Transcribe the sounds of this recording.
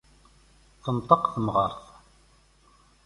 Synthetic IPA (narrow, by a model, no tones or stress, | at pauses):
θənt̪ˤəqθəmʁəɾˤθ